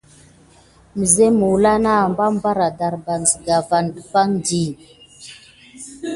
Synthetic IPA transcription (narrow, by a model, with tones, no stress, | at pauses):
mə˨ze˦mu˨wla˦na˦˨mba˦m˦ba˦ɾa˨da˨ɾba˨n˨zə˨ɡa˨va˨ndə˨pa˦ŋndi˨